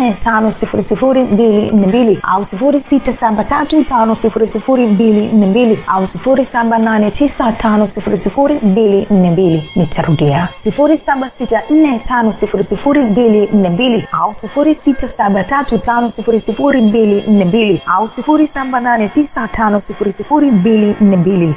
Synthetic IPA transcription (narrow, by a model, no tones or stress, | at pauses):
ɛtʰanɔsifuɾisifuɾimbilin̩nɛmbilia̰usifuɾisitasaɓatatutanɔsifuɾisifuɾimbilin̩nɛmbiliausifuɾisaɓananɛtisatʰanɔsifuɾisifuɾimbilin̩nɛmbilinitʰaɾuɗɛasifuɾisaɓasitan̩nɛtʰanɔsifuɾisifuɾimbilin̩nɛmbiliausifuɾisitasaɓatatutanɔsifuɾisifuɾimbilin̩nɛmbiliausifuɾisaɓananɛtisatʰanɔsifuɾisifuɾimbilin̩nɛmbili